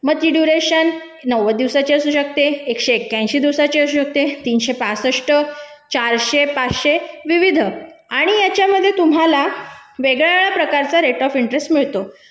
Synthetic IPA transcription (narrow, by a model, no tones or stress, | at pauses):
məɡ̚t̪iɖjuɾeɕənː | əʋəd̪iʋsat͡ɕeəsuːɕək̚t̪eːkɕeːkjãj̃ɕiːd̪iʋsat͡ɕeəsuːɕək̚t̪et̪iːnɕepat͡səʂʈə | t͡ɕaɾɕepat͡sɕeʋiʋid̪ʱəaɽ̃ijat͡ɕjaməd̪ʱːjet̪um̤alaʋeɡɭaʋeɭapɾəkaɾt͡saɾeʈɔfiɳʈɾesʈmiɭt̪o